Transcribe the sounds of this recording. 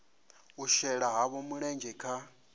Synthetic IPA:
uʃɛɺaɦaβɔmuɺɛnd͡ʒɛkʰa

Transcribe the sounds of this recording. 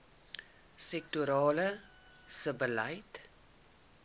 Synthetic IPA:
sɛk̚tuɾɑːlə | səbəlɐjt

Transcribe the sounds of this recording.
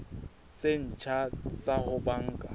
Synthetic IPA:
t͡sʼen̩t͡ʃʰat͡sʼahʊbaŋ̩kʼa̰

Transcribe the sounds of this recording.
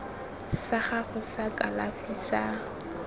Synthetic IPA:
saχaχʊsakʼalafisa

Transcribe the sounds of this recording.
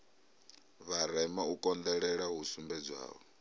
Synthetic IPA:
βaɾɛmaukʼɔnd̪ɛɺɛɺaɦusumbɛd͡zwa̰ːβɔ

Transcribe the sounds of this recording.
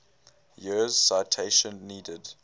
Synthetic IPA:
jiz̥saɪtʰeɪʃə̃nːiːdəd

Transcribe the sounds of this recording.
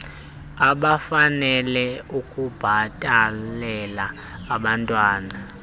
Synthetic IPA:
aɓafanɛlɛukʼub̥ʱatʼalɛlaː | ɓantʼwaːna

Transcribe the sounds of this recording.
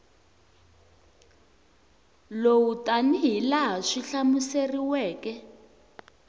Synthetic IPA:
lowutaniɦilaɦaʂiɬamuseriwɛːkɛ

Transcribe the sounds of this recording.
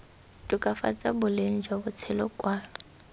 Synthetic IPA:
tʼʊkʼafa̰t͡sʼabʊlen̩d͡ʒʱwabʊt͡sʰɛlɔkʼwa

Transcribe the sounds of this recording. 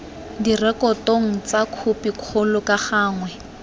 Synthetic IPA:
dirɛkɔtoŋ̩t͡sakʰupikʰʊlʊkaχaːŋwɛ

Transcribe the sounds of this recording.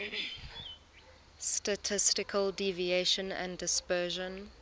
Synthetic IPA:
stətʰɪstɪkʰəldivieʃə̃næ̰̃ndɪspɜːʒə̃n

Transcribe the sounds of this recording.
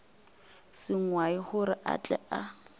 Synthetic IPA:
sɪŋwaɪχʊɾɪʔa̰t͡ɬʼɛ̰ʔa

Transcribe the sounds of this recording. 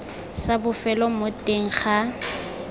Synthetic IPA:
sabʊfɛlɔmotʼeŋ̩χa

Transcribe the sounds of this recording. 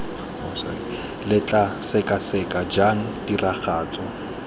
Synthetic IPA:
lɪt͡ɬʼasɛkʼasɛkʼad͡ʒaŋ̩diraχaːt͡sʼɔ

